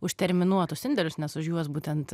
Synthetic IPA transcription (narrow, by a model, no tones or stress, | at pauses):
ʊʃʲt̪ʲɛɾʲmʲɪnuɔt̪ʊsɪnʲd̪ʲɛlʲʊsnʲɛsʊʃjuɔsbuːt̪ʲɛnt̪